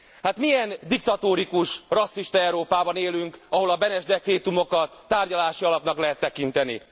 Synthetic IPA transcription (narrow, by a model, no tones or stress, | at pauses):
hat̪mijɛnd̪ik̚t̪ɒt̪oːɾikuʃrɒsːiʃt̪ɒɛwɾoːpaːbɒneːlyŋkɒɦo̞lɒbɛnɛʒd̪ɛkreːt̪umo̞kɒt̪ːaːrɟɒlaːʃiɒlɒpnɒklɛɦɛt̪ːɛkint̪ɛnḭ